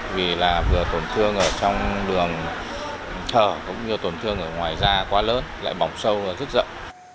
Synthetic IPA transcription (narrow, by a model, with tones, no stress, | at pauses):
vi˨˩laː˨˩vɨ˨˩ət̪o˨˩nt̪ʰɨ˧əŋʔəː˧˩t͡ɕɔ˧wŋ͡mɗɨ˨˩əŋ | t̪ʰəː˧˩kʊ̰˧˥ŋ͡mɲɨ˧ət̪o˨˩nt̪ʰɨ˧əŋʔəː˧˩ŋwaː˨˩jzaː˧kwaː˨˦ləː˨˦nla̰ː˧˨jɓɔ˨˩wŋ͡msə˧waː˨˩zə˦˥t̚zə̰˧˨wŋ͡m